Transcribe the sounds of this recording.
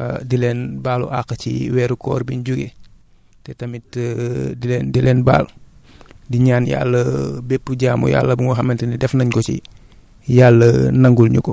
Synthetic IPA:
ɐ̰dilɛnbaːlṵʔakɐcḭwɛːɾukɔ̰ːɾbinɟuɡḛ | tɛtɐmitdilɛːndilɛːnba̰ːlu | diɲaːnja̰lːəbepːuɟaːmṵja̰lːəbuŋɔxɐmɛntinidɛfnɐɲkɔsḭ | jalːənɐŋɡulɲukɔ

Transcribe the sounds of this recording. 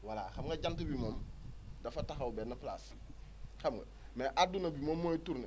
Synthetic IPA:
wala̰xɐmɡɐɟantɐbimoːmdɐfɐtaxɐwbɛːnːɐpla̰s | xɐmɡɐ̰ | mɛʔadunɐbimomːoːjituɾne

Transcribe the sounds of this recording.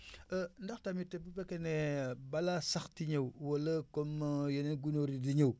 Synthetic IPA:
əndatamitebubekenebalasaxtiɲewwoləkomjeneɡunoɾidiɲew

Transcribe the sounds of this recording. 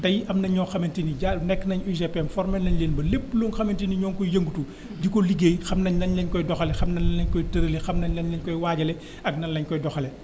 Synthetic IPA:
dɐjɐmnɐɲɔːxɐmɐntiniɟanɛkːnɐɲuzɛpɛmfɔɾmɛlnɐɲleːnbɐlepːluːŋxɐmentiniɲɔːŋkɔjɐŋɡutu | dikɔliɡejxɐmnɐɲlɐɲlɐɲkɔjdɔxɐlɛxɐmnɐnːɐɲkɔjtɐɾəlexɐmnɐɲlɐɲlɛɲkɔjwaːɟɐlɛ | ɐɡnɐnlɐɲkɔjdɔxɐlɛ

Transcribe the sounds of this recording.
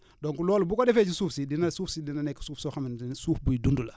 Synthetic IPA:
doŋkulɔːlubukodɛfɛːt͡ʃisuːfsidinasuːfsidinanɛkːsuːfsɔxamininsuːfbuidundula

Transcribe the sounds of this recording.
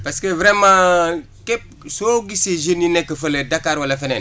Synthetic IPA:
paskevɾɛmã | kep̚ | soɡiseʒeninekɐfəledakaɾwalefɛnɛn

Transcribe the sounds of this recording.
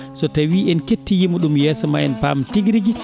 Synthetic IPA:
sɔtawiʔɛnketːijimuɗumjɛːsɔma̰jɛnpa̰mtiɡɾiɡi

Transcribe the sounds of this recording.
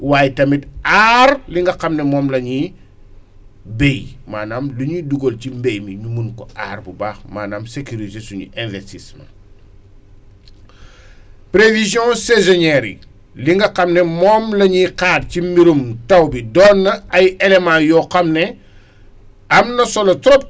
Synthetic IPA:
waːjtɐmitaːrliŋɡɐxɐmnɛmɔːmlɐɲi | bejmaːnaːmluɲiduɡolcimbejmiɲumunkɔʔa̰ːrbubaːxmaːnaːmsekuɾitesuɲṵʔɛ̃nvɛstismã̰ | pɾevizjɔ̃sezɔɲɛːɾḭ | liŋɡɐqɐmnɛmɔːmlɐɲiqaːt̚cimiɾumtɐwbidɔːnːɐɐjɛlemãjɔːxɐmnɛ | ɐmnɐsɔlɐtɾɔp̚

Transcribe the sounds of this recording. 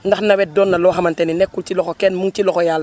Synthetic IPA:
ndaxnawet̚donːaloːɦamanteninekːultilokokeːnmuŋtilokojaːlː

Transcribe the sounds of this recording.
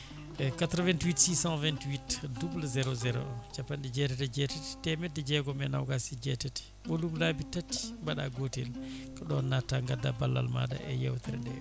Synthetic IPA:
ɛkat̪ɾɔvɛntwitsisãnvɛntwitdublazɛɾɔzɛɾɔ̰ɗɔt͡ʃapːanɗɛd͡ʒɛtɛtɛd͡ʒɛtati̥tɛmɛdːɛd͡ʒɛɡɔmɛna̰wɡasid͡ʒɛtati̥ | ɓɔlublabitatːi̥mbaɗaɡotḛlkɔɗɔnːatːaŋɡadabalːa̰lma̰da̰ʔɛ̰ja̰wt̪ɛɾɛɗɛ̰

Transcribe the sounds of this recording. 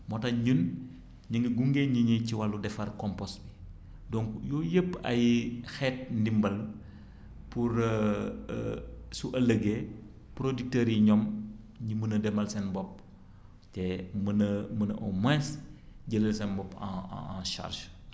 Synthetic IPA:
mɔtɐɲun | ɲəŋɡiɡuŋɡeɲiɲiciwalːudɛfɐrkɔmpɔsbi | dɔŋkjɔjəpːɐ̰jxɛːt̚ndimbɐl | puɾ̰ | suʔɐləɡe | pɾodik̚tɛɾiɲɔm | ɲimənɐdɛmɐlsɛnbɔp̚ | tɛmənəmənɐ̰ʔɔ̰mɛsɟələlsɛnbɔpːã̰ãʃa̰rʒ

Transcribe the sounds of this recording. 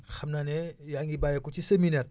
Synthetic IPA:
xɐmnaːnɛjaŋibaːjɐkuciseminɛt̚

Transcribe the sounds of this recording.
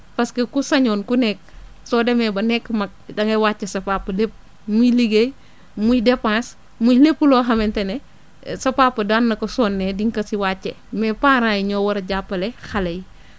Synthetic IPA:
pɐskɐkusɐɲɔːnkunɛk̚ | sɔːdɛmɛbɐnɛkːmɐk̚dɐŋewat͡ʃːɛsɐpapːɐlep̚ | muliɡej | mujdepãːs | mujlepːulɔːɦɐmɛntɛnɛ | sɐpaːpːɐdanːɐkɔsɔːnːɛdiŋkɐsiwaːt͡ʃːe | mɛpãːɾajiɲɔːwɐɾɐɟapːɐlɛxɐlɐj

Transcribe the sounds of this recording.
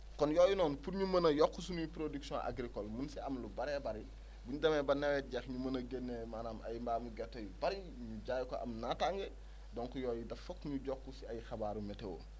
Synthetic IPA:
kɔnjɔːjunɔːnpuɾɲumɐnɐjɔkːusunujpɾodiksjɔ̃ʔa̰ɡɾikɔlmunsiɐmlubɐɾɛbɐɾi | buɲudɐmɛbɐnːɛwɛɟaxɲumɐnɐɡɛnːemanaːmʔɐ̰jmbaːmuɡɛtːɔjibɐɾi | ɲuɟaːjkɔʔɐ̰mnataŋɡɛ | dɔŋkujɔːjudɐfɔkːɲuɟɔkːusiɐjxɐbaːɾumɛtɛwo̰

